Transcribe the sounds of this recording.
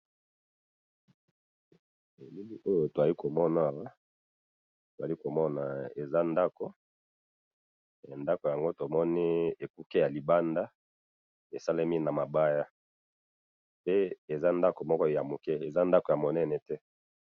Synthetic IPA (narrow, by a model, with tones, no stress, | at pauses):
e˨mi˦mi˦ʔo˦jo˨to˨za˨li˦ko˨mɔ˦na˦˨wa˦ | to˨za˨li˦ko˨mɔ˦na˨e˨za˦nda˦ko˦˨ | nda˦ko˨ja˨ŋɡo˦to˨mɔ˦ni˦e˨ku˦ke˦ja˨li˨ba˦nda˦ | e˨sa˦le˦mi˦na˨ma˨ba˦ja˦ | pe˦e˨za˦nda˦ko˨mɔ˦kɔ˦ja˨mo˨kɛ˦e˨za˦nda˦ko˨ja˨mo˨nɛ˦nɛ˨tɛ˦